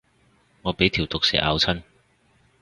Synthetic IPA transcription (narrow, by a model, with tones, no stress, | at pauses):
ŋɔː˨˧pe˨˥jt̪ʰi˨˩wt̪ʊ˨k̚sɛ̰ː˨˥ʔa̰ː˨˧wt͡sʰɐ˥n